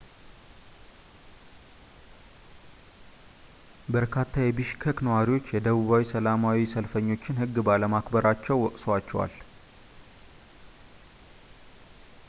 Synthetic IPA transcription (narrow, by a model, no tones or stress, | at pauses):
bəɾkʰat̪ʰːajɛbɨʃkʰəknəwaɾiwo̞t͡ʃːjɛd̪əβuβawisəlamawisəlfəɲːo̞t͡ʃːɪnhɨɡːbaləmakbəɾat͡ʃːɛwːɔkʼsoat͡ʃːɛwa̰l